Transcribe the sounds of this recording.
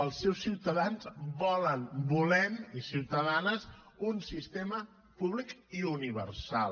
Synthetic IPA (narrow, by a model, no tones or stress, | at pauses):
əlˠsːɛwsːiwt̪əðanzbɔlənbulɛmisiwt̪əðanəz | unsist̪emə | puβlikiuniβə̰rsa̰lˠ